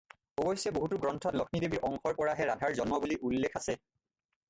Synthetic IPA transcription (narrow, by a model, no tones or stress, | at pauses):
obojsjɛboɦutuɡɹɔntʰɔtlɔkʰnidebiɹʔɔŋxɔɹpɔɹaɦɛɹadʱaɹzɔnmɔbuliʔulːekʰasɛ